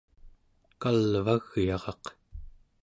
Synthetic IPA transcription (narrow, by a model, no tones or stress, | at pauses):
kalvaɣjɑʁɑq